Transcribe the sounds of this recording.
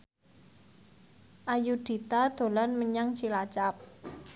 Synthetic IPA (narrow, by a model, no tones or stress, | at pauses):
ʔajud̪̥i̤t̪ad̪̥o̤lanməɲaŋt͡ʃilat͡ʃap̚